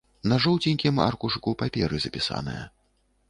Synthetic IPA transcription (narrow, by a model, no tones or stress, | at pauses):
nɐʐɔwt͡sʲinʲkʲima̰rkuʂɨkupapʲɛɾɨzɐpʲisa̰nɨ̰jɐ̰